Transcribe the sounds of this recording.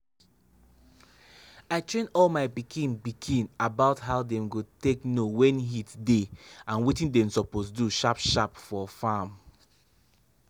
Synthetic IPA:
aɪtɹẽnɔlmaɪbikʰĩnbikʰĩnabaʊtɦaʊdɛ̃mɡoteknowɛ̃nɦitdeãnwitĩndɛ̃msɔposduʃapʃapfɔfãm

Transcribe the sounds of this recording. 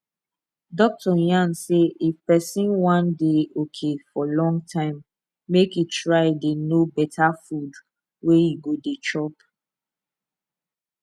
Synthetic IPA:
dɔk̚tʰɔjãnseefpɛsĩnwãndeokʰefɔlɔ̃ŋɡtʰãɪ̃mː | ekjitʰɹaɪdenobɛtʰafud | wejiɡodet͡ʃɔp

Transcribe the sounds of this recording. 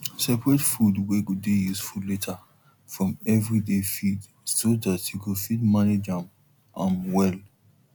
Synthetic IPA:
sɛpɹɛtfudweɡudejusfudletʰa | fɹɔ̃mɛvɹidefid | soðatjukufidmaned͡ʒãm | ʔãmwɛl

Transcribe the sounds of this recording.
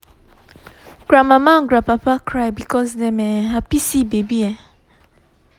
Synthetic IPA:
ɡ̥ɾamãmãɡɾapapakʰɾajbikʰɔzdɛmɛɦapisibebiɛ

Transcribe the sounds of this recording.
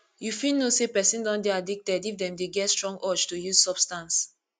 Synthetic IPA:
jufilnosepɛsĩndãndeadik̚tɛdifdɛ̃mdeɡɛtstɹɔ̃ŋɡɔt͡ʃtujuz̥sɔb̥stãns

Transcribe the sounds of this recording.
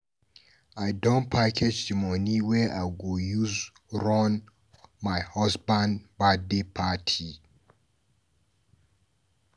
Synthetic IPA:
ajdɔ̃npʰakʰed͡ʒdimɔniwɛʔajɡojuz | ɹɔ̃n | majhɔsbãnbadepʰatʰi

